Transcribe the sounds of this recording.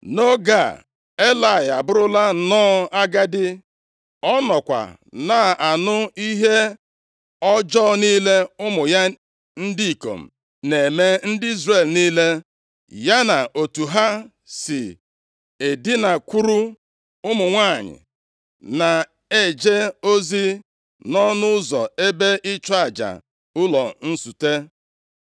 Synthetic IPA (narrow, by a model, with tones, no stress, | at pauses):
no˦ɡa̰˨ | e˦la˨ɪ˨a˨bʊ˦ɾʊ˦la˦nɔː˦a˦ɡa˦dɪ˦ | ɔ˦nɔ˨kʷa̰˨ | na˨a˨nʊ˦i˦ɦe˦ | ɔ˦d͡ʒɔ˦niː˦le˦ʊ˦mʊ˨ja˦ | n̩˦di˦i˨ko̰˨m̩˨ | ne˨me˦n̩˦dɪ˦i˦zre˦˨lniː˦le˦ | ja˦na˨o˨tu˨ɦa˦ | sɪ˨ | e˨dɪ˦na˨kʷu˦ɾu˦ | ʊ˦mʊ˨ŋʷa˦˨ɲɪ̰˨ | na˨ | e˦˨d͡ʒe˦o˦zi˦ | nɔ˦nʊ˦ʊ˦zɔ̰˨e˦be˦ʔɪ˦t͡ʃa˦˨d͡ʒa̰˨ | ʊ˦lɔ˨n̩˦su˨te˦